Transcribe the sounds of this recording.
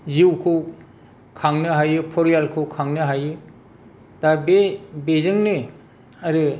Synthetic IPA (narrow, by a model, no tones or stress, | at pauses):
ziwkʰɯw | kʰaŋnɯɦajɯpʰɔɾijalkʰɯwkʰaŋnɯɦajɯ | d̥abebezɯŋnɯ | aɾɯ